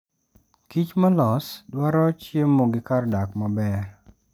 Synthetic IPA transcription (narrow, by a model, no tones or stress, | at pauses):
kit͡ʃmalɔsdwaɾɔt͡ʃjemːoɡɪkardakmabɛr